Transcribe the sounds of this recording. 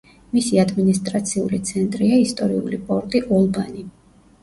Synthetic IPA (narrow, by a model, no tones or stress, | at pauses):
misiad̪minist̪ʼɾat̪sʰiṵlit̪sʰɛnt̪ʼɾiaist̪ʼɔɾiṵlipʼɔɾt̪ʼiʔɔlˠbani